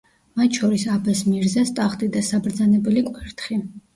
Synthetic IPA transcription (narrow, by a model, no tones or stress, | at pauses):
mat̪ʰʃɔɾisabɛsmiɾzɛst̪ʼaχt̪ʼid̪asabɾd̪zanɛbɛlikʼwɛɾt̪ʰχi